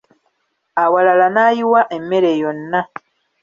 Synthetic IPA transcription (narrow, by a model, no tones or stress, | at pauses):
awalalanaːjiwaʔe̞mːe̞ɾe̞jo̞nːa